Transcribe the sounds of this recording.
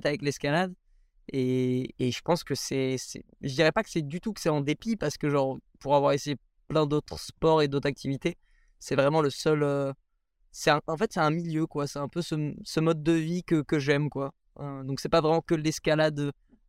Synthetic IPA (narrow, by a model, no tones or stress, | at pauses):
t̪avɛklɛskalad̪ | eːʒəpɑ̃skəsɛsɛ̰ | ʒəd̪iʁɛpakə̥sɛd̪yt̪ukə̥sɛɑ̃d̪epipaʁsə̥kəʒɑ̃ʁpuʁavwaʁeseje | plɛ̃d̪ot̪χəspɔʁed̪ot̪χak̚t̪ʰivit̪e | sɛvʁɛmɑ̃ləsœlø | sɛɛ̃ʔɑ̃fɛt̪sɛɛ̃miljøkwasɛɛ̃pøsəsəmɔd̪̚ːəvikəkəʒɛmkwa | ød̪ɔ̃ksɛpavʁɛmɑ̃kəlɛskalad̪ø